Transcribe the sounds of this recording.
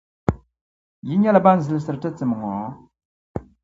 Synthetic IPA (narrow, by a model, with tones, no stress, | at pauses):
ji˦ɲɛ˦la˨ba˦n̩˨zɨ˨lsɨ˨ɾtɨ˦t͡sɨ˨m˨ŋɔ̰˨˦